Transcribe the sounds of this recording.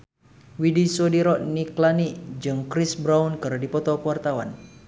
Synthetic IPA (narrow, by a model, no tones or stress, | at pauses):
widisodiɾɔʔniklaniʔd͡ʒɨŋkɾisbɾaunkɨrdipɔt̪ɔkwart̪awa̰n